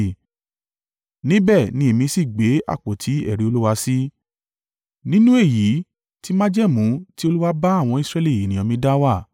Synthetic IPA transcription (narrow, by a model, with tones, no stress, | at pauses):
nĩ˦bɛ˦˨nĩ˧˦e˨mĩ˧si˦˨ɡ͡be˨˦a̰˦˨k͡po˨tʰi˨˦ɛ̰˦˨ɾi˨˧o˧lu˦wa˧si˦ | nĩ˦nũ˦e˦˨ji˨˦ | ti˦mã˦d͡ʒɛ˦˨mũ˨˦ti˦o˧lu˦wa˧ba˦a˦˨w̃ɔ̃˧i˦sɾɛ˧li˦˨e˨nĩ˨ɔ̃˨mĩ˧da˦wa˦˨